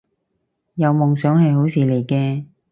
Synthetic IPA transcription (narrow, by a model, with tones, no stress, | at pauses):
jɐ˨˧wmʊ˨ŋsœː˨˥ŋhɐ˨jho˨˥wsiː˨˧le˨˩jkɛː˧